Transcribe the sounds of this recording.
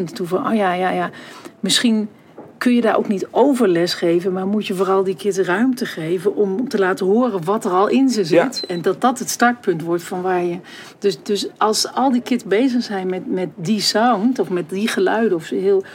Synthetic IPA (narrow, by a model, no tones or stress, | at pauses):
nttuvɔno̰jajajamɪsχin | kɵnjədaːʔo̰wknitowvəɹlɛsχejvənmaɹmutjəvoːrɑlˠdikʰɪtərœɥmtəχejvənʔɔmtəlaːtəɦoərənʋɔtərɔlˠʔɪnzəzɪtɛndɑt̚dɔtɦətstɑɹt̚pɵntʋɔɹtfɔnʋaːɹjə | d̥øsdøsɑlˠsɑlˠdikɪtəbejzəχsɛjnmɛtmɛt̚disawntɔfmɛt̚diχəlœɥdəɔfsəɦɪːlˠ